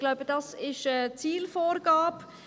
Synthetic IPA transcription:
ɡ̥laʊbədɑsɪʃət͡siːlfoːɾɡaːp

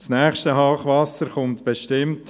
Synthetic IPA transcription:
snæːχʃtəɦɑːχʋɑsəɾχʊmt̪b̥eʃtɪmt

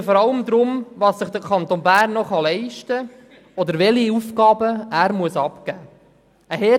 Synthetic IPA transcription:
fɔɾɑləmd̪ɾʊmvɑːsːɪχd̪̥əkʰɑnt̪onbæːɾnːɔχɑlɛɪʃtə | ɔd̪əɾʋɛliufkɑːbəæːɾmuəsɑpkæː | əhɛ

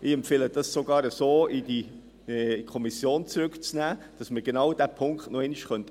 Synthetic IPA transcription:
ʔɪɛmpfeːləd̥ɑssoɡɑːɾəsoːidi | kʰɔmisjoːnt͡sɾʏkt͡snæːd̥ɑsməɾɡ̥enɑwdæpʰʊŋkχtnɔɛniʃχœnt

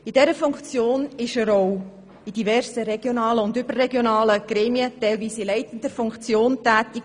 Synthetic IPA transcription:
id̥ɛɾəfʊŋkt͡sjoːnɪʃəɾow | id̥ivɛɾsəɾɛɡ̥jonɑːləʊndʏb̥ərrɛɡjonɑːləɡ̥ɾeːmiətɛɪlviːsɪlɛɪtən̩dəɾfʊŋkt͡sjoːntæːtiɡ

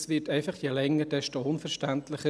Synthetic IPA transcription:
sʋɪtɛɪfɑχjelɛŋːəd̥ɛʃtoʊnfəɾʃtæntlɪχə

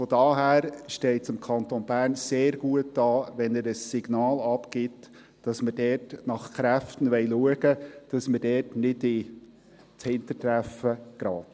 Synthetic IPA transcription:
fɔdɑːɦæːɾʃtɛɪtsɪmkʰɑntonbæːɾnseːɾɡ̥uət̚d̥ɑːʋɛnɛɾəsːɪɡ̥nɑːlɑpkɪt | d̥ɑsmədɛtnɑχkɾæftən̩ʋɛɪluəɡ̥əd̥ɑsmədɛːtnɪdɪ | t͡shɪntətɾæfəɡ̥ɾɑːt

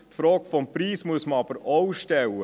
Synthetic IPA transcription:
tfɾɔːkfɔmpɾiːsmuəsməɑb̥əɾɔwʃtɛlːə

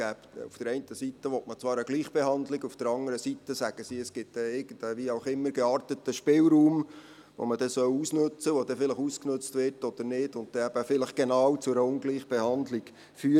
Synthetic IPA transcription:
ɡ̥æːpṵfd̥əɾɛɪntəsitəʋɔtmət͡sʋɑːɾəɡliːχb̥eɦɑnd̪lɪɡufd̥əɾɑŋəɾəsitːəsæɡ̥əsiəsɡ̥ɪt̚dɛɪɡəndəʋiɑʊχɪmːəɾɡɛɑːɾtət̪əʃpɪːlɾuːm | ʋo̰məd̥ɛsœwusnɵt͡səʋod̥̪ɛfɪləχusknɵt͡stʋɪtɔd̥̪əɾnɪdʊnt̚d̥ɛæb̥əfɪləχɡ̥enɑːwt͡sʊɛɾəʊnɡliːχb̥ehɑndliɡ | fyː

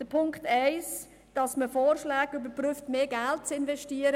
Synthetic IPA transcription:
d̥əpʰʊŋktæɪs | d̥ɑsməfoːɾʃlaːɡybəɾpryftmeːɡælt̚t͡sɪnvɛʃtiːəɾə

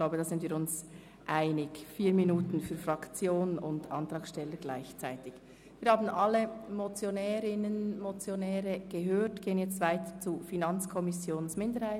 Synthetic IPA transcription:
klaʊbədɑːzɪndviːɾʊns | ʔaɪnɪɡfiːɾminuːtn̩fyːɐfrɑkt͡sjoːnʊndʔɑ̰ntɾɑːkʃtɛləɡlaɪçt͡saɪtɪç | viːɾhaːbn̩ʔɑlːəmot͡sjonɛːɾɪnənmot͡sjonɛːɾəɡ̥əɦøːtɡ̥eːənjɛt͡stv̥aɪtət͡sufinɑnt͡skʰɔmɪsjoːnsmɪndəɾhaɪ

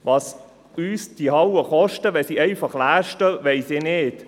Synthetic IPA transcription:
vɑːs | yːsd̥ihɑwəχɔʃtəʋɛsiːɛɪfɑχlæːʃtəʋɛɪsɪnɪt

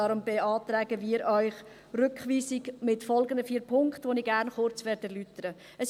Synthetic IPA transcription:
ɑɾʊmbeɑːt̪ɾɛːɡəʋiːɾœʏχ | rʏkχʋiːsiɡmɪtfɔlˠɡənd̪əfiːɾpʰʊŋkχtʋoniɡæːɾnχʊɾt͡sʋɛːɾdɛɾlytəɾə | əs

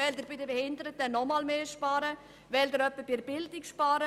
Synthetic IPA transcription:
ɛld̪ɪɾbɪdəbɛhɪndəɾət̚dɛnːɔmɑlmeːʃpɑːɾə | ʋɛldəɾœpːəb̥ɪɾb̥ɪldɪkʃpɑːɾə

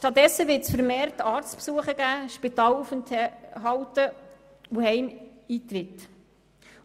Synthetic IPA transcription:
ʃtɑt̚dɛsːəʋɪɾtsfəɾmeːɾtɑːɾt͡spsuəχəɡæːʃpitɑːlufəntʰɦɑwtə | uhɛjmiːt̪rɪt

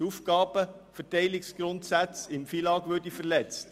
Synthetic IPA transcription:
ufɡɑːb̥əfətɛɪlɪksɡ̥ɾʊntsæt͡sɪmfilɑːɡ̥ʋøɾdifəɾlɛt͡st

